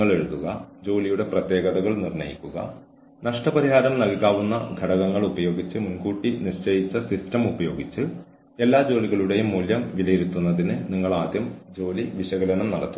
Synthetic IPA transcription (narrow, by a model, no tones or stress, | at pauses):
ɐɭe̞ɻuðuɣɐd͡ʑo̞ːlijuɽe̞prɐt̪je̞ːɡɐðɐɣɐɭnirnɐ̰jḭkʲːuɣɐ̰ | nɐʂʈɐpɐɾiɦaːɾɐmnɐlkaːʋunːɐɡʱɐɽɐɣɐŋːɐɭubɐjo̞ːɡit͡ɕːɨmunɡuːʈːiniɕɐjit͡ɕːɐsistɐmubɐjo̞ːɡit͡ɕːɨ | e̞lːaːd͡ʑo̞ːliɣɐɭuɽe̞jumːuːljɐmʋilɐjeɾut̪ːunːɐðinɨniŋːɐɭaːd̪jɐmd͡ʑo̞ːliʋiɕɐɣɐlɐnɐmnɐɽɐt̪ːu